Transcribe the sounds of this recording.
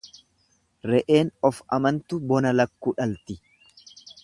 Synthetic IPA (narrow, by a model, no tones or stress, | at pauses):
ɾɛʔe̞ːnɔfɐmɐnt̪ʊbɔnɐlɐkːuːᶑɐlt̪ɪ